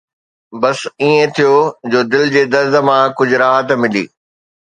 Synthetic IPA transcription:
bɐsiːẽt̪ʰijod͡ʑoːd̪ɪld͡ʑeːd̪ɐɾzə̆mãkʊd͡ʑʱʊɾaːɦət̪mɪlḭː

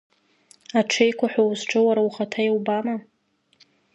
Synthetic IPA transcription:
aʈ͡ʂʰejkʷʰaħʷawzʈ͡ʂʷʰʼɨwaɾawχatʰajiwbama

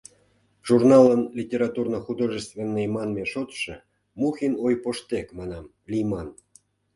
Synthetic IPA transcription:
ʒ̥urnɑlənlʲitʲeɾɑt̪urnŏxud̪oʐəst̪venːejmɑnmeʃot̪ʃĕ | muxʲinojpoʃt̪ekmɑnɑm | lʲijmɑn

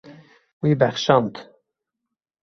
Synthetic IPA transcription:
wiːbæχʃɑnt̪

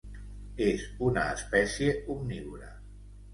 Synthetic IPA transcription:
ezunəːspɛsjeumniwɾə

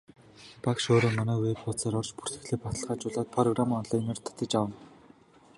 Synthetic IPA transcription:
pakʃoːɾoːnɔmæːweːppʊt͡saːɾɔrt͡ɕpu̥r̥t̪ɘ̆xɮeːpɔt̪ə̆ɮʁaːt͡ɕʊɮaːt̪̚pʰrɔɣramiːŋɔnɮaːjneːrt̪ʰḁt̪ĕt͡ɕawə̆n

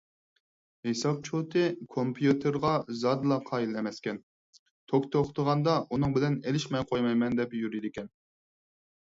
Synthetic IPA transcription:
hesɑp̚t͡ʃʰot̪ʰɨkʰompʰjut̪ʰɨɾʁɑzɑd̪lˠɑqʰɑːjilɛmɛskʲɛn | t̪ʰokt̪ʰoχt̪ʰəʁɑnd̪ɑʔunɨŋbɪlɛnelɪʃmɛjqʰojmɑjmɛnd̪ɛpjyɾid̪ɪkʲʰɛn

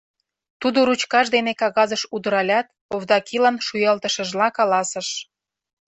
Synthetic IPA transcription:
t̪ud̪oɾut͡ɕkɑʃd̪enekɑɣɑzəʃud̪ə̆ɾɑlʲɑt̪ | ovd̪ɑkilɑnʃujɑlt̪ə̆ʃə̆ʒlɑkɑlɑsə̆ʃ

